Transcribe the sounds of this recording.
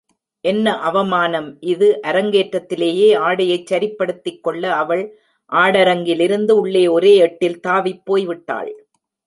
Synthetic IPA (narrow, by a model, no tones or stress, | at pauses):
ʔɛnːɐʔɐʋɐmaːnɐmʔɪðɯʔɐɾɐŋɡeːʈɾɐt̪ːɪleːjeːaːɽɐjɐɪt͡ʃːɐɾɪpːɐɽɯt̪ːɪkːɔɭːɐɐʋɐɭ | ʔaːɽɐɾɐŋɡɪlɪɾɯnd̪ɯʊɭːeːɔɾeːɛʈːɪlt̪aːʋɪpːoːjʋɪʈːa̰ːɭ